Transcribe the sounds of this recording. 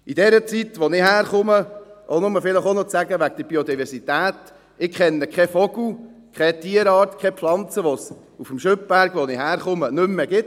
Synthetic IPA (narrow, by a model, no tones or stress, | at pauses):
idɛɾət͡sit̪ʋɔnɪɦæːɾχʊməʔonʊməfɪləχonɔt͡sæɡəʋæɡd̥̪əb̥iod̪ivɛɾsit̪æːt̪ | ɪkχɛnːəkʰɛfɔɡlu | kχɛt̪iːəɾɑːɾtkχɛpflɑnt͡səʋɔs | ufəmʃʏp̚b̥æɾɡʋɔnɪɦæːɾχʊmənʏmːɛɡɪt